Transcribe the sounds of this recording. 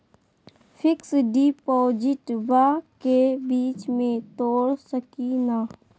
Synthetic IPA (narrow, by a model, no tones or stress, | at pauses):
fʰɪksɖiːpɔːd͡ʒɪʈbakebiːt͡ʃmẽt̪oːɾsəkina